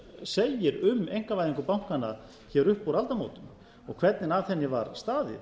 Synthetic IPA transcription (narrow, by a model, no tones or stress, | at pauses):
seːjɪɾʏmejŋ̥kavajðiŋkʏpawŋ̥kana | çɛɾʏhpoɾalt̪amo̰wt̪ʏm | ɔɣkʰv̥ɛt̪nɪnavθɛnːɪvaɾst̪aːðɪ̰